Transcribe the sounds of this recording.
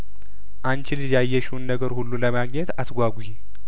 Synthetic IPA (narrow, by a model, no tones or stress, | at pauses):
ʔant͡ʃɪlɨd͡ʒajːɛʃunːəɡəɾhulːuləmaɡɲɛt̪asɡʷaɡʷuhe